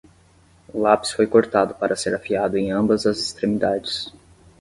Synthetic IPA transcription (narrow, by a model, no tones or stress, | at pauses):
ʊlapsfojkoɾt̪ad̪ʊpaɾɐseɾafiad̪ʊẽj̃ɐ̃mbɐzɐzest̪ɾemid̪ad͡ʒɪs